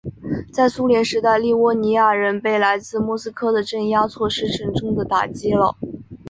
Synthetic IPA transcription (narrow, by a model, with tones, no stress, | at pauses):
t͡sa˥˩ɪsu˥ljɛ˧˥nʂɻ̩˧˥t̪a˥˧ɪli˥˩wɔ˥˩ni˧˥ja˥˩ɻə˧˥npe˥˩ɪla˧˥ɪt͡sɹ̩˥˧mwɔ˥˩sɹ̩˥kʰɤ˥d̪ə˨ʈ͡ʂə˥˩nja˥t͡sʰwɔ˥˧ʂɻ̩˥ʈ͡ʂʰə˧˥ŋʈ͡ʂʊ˥ŋd̪ə˨t̪a̰˨˩t͡ɕi˥lə̰˨˩